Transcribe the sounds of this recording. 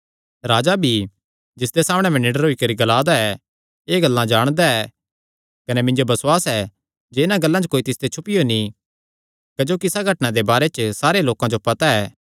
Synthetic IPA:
ɾaːd͡ʒabʱi | d͡ʒɪs̬d̪esaːmɽ̃ɛmɛ̃nɪɖəɾɦoikɐɾiɡɐlaːd̪aɛ | eːɡɐlːãd͡ʒaːɽ̃d̪aɛ | kɐnɛmɪ̃nd͡ʒobɐswaːsɛ | d͡ʒeɪnãɡɐlːãt͡ʃkoːit̪ɪsd̪et͡ʃʰʊpɪjoni | kɐd͡ʒoːkisaɡʱɐʈnãd̪ebaːɾet͡ʃsaːɾeloːkãd͡ʒopɐt̪aɛː

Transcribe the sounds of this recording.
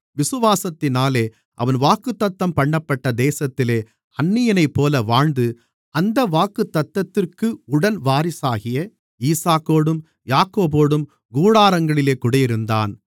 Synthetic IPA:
ʋɪsɯʋaːsɐt̪ːɪnaːleː | ʔɐ̰ʋɐnʋaːkɯt̪ːɐt̪ːɐmpɐɳːɐpːɐʈːɐd̪eːsɐt̪ːɪleː | ɐnːɪjɐnɐɪpːoːlɐʋaːɻd̪ɯ | ɐnd̪ɐʋaːkɯt̪ːɐt̪ːɐt̪ːɪrkɯʊɽɐnʋaːɾɪsaːɣɪjɐ | iːsaːkːoːɽɯm | jaːkoːboːɽɯm | ɡuːɽaːɾɐŋɡɐɭɪleːkʊɽɐjɪɾɯnd̪a̰ːn

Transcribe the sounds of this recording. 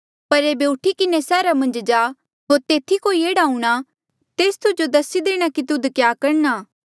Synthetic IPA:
pɐɾeːbeʊʈʰikɪnesɛːɾamɐ̃nd͡ʒd͡ʒaː | ɦoːɾt̪eːt̪ʰikoːieːɽauɽ̃a | t̪eːst̪ʊd͡ʒod̪ɐsid̪eːɽ̃akit̪ʊd̪kjaːkɐɾnaː

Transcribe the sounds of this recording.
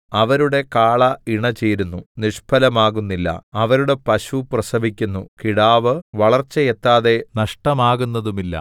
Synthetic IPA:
ɐʋɐɾuɽe̞kaːɭɐiɳɐt͡ɕejɾunːuniʂpʰɐlɐmaːɣunːilːɐ̰ɐʋɐɾuɽe̞pɐɕuprɐsɐbikʲːunːukiɽaːʋɨʋɐɭɐrt͡ɕːɐet̪ːaːðe̞nɐʂʈɐmaːɣunːɐðumilːɐ̰

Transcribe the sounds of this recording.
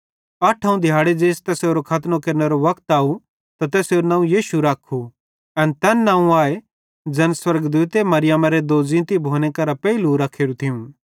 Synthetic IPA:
ɐːʈʰãːũd̪ʱɪjaːɽed͡ʒeːst̪ɛsoːɾokʰɐt̪nokeɾneɾoʋɐkt̪aːu | t̪at̪̬ɛːseɾnãːũjiːʃuɾaːkʰu | ɛnt̪ɛːnːãːũaːe | d͡ʒɐnswɐɾɡd̪uːt̪emɐɾɪjamaɾed̪oːd͡zɪ̃ːnt̪ibʱoːñekɐɾapɛiluɾɐkʰeːɾut̪ʰɪũ

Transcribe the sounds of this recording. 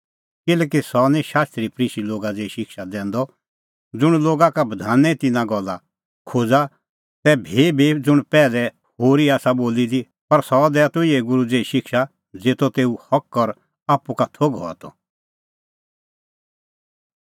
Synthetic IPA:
kɪlɛːk̬isɔnĩʃaːst̪ɾipɾiːʃiloːɡad͡zeːiʃɪkʃad̪ɛ̃ːnd̪ɔ | d͡zʊɽ̃loːɡakabɐd̪ʱaːnːɛ̃it̪ɪnãɡɔlːa | kʰoːd͡za | t̪ɛbʱebʱid͡zʊɽ̃pɛːlɛ | hoːɾiaːsaboːlid̪i | pɐɾsɔd̪ɛat̪ɔiɛɡʊɾud͡zeːiʃɪkʃa | d͡zeːt̪ot̪eːuhɔkːɔɾ | aːpːukat̪ʰoɡɦɔ̰a̰t̪ɔ̰

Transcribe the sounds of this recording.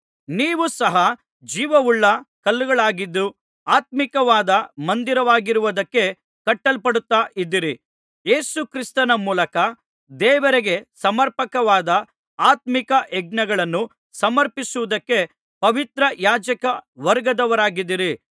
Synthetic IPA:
niːʋusɐɦɐ | d͡ʒiːʋɐʋuɭːɐkɐlːuɡɐɭaːɡid̪ːu | aːt̪̚mikɐʋaːd̪ɐmɐnd̪iɾɐʋaːɡiɾuʋud̪ɐkːe̞ | kɐʈːɐlpɐɽut̪ːaːʔid̪ːiɾi | jeːsukɾist̪ɐnɐmuːlɐkɐ | d̪ɛːʋɐɾeɡe̞sɐmɐɾpɐkɐʋaːd̪ɐ | aːt̪̚mikɐʔɛɡ̚nɐɡɐɭɐnːu | sɐmɐɾpisuʋud̪ɐkːe̞ | pɐʋit̪ɾɐjaːd͡ʒɐkɐʋɐɾɡɐd̪ɐʋɐɾaːɡid̪ːiɾi

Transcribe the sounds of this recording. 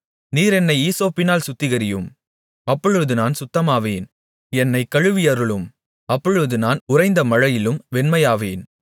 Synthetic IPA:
niːɾɛnːɐɪiːsoːpːɪnaːlsʊt̪ːɪɣɐɾɪjɯm | ɐpːɔɻɯʋɐðɯnaːnsʊt̪ːɐmaːʋeːn | ɛnːɐɪkːɐɻɯʋɪjɐɾɯɭɯm | ɐpːɔɻɯʋðɯnaːnʊrɐɪnd̪ɐmɐɻɐjɪlɯmʋɛnmɐjaːʋeːn

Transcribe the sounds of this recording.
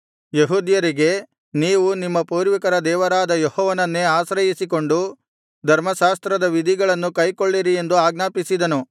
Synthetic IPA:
jeɦuːd̪jɐɾiɡe̞ | niːʋunimːɐpuːɾʋikɐɾɐd̪ɛːʋɐɾaːd̪ɐjɔhɔːʋɐnɐnːeaːsɾɐjisik̬o̞ɳɖu | d̪ʱɐɾmɐʃaːst̪ɾɐd̪ɐʋid̪ʱiɡɐɭɐnːukɐjko̞ɭːiɾie̞nd̪uaːɡnaːpisid̪ɐnu

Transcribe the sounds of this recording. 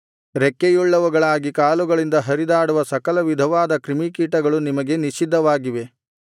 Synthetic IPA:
ɾekːejuɭːɐʋuɡɐɭaːɡikaːluɡɐɭind̪ɐɦɐɾid̪aːɽuʋɐsɐkɐlɐʋid̪ʱɐʋaːd̪ɐkɾimikiːʈɐɡɐɭunimɐɡe̞niʃid̪ʱːɐʋaːɡiʋe̞

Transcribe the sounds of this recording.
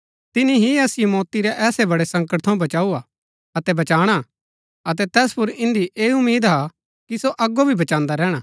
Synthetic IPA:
t̪ɪniɦiɐsɪjomɔːt̪iɾɛʔɛːsebɐɽesɐ̃ŋkəʈt̪ʰɐũbɐt͡ʃaːua | ɐt̪ɛbɐt͡ʃaːɽ̃a | ɐt̪ɛt̪ɛːspʊɾɪ̃nd̪iʔeːʊmiːd̪ɦa | kisoʔɐɡobʱibɐt͡ʃãːnd̪aɾɛːɽ̃aː

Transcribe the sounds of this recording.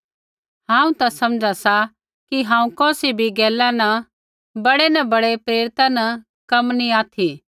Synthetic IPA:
ɦãːũt̪asɐmd͡ʒasa | kiɦãːũkɔːsibʱiɡɛːlanɐ | bɐɽenɐbɐɽepɾeːɾɪt̪ãnɐ | kɐmniaːt̪ʰi

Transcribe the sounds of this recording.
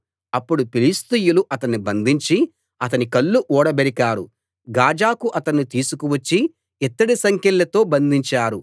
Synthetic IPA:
ɐpːuɽupilist̪ijuluʔɐt̪ɐnːibɐnd̪ʱiɲt͡ʃi | ɐt̪ɐnikɐlːuʔɔːɽɐbeɾikaːɾṵ | ɡaːd͡ʒaːkuʔɐt̪ɐnːit̪iːsukuʋɐt͡ʃːi | ɛt̪ːɐɽisɐŋkʰɐlːɐt̪o̞ːbɐnd̪iɲt͡ʃaːɾu

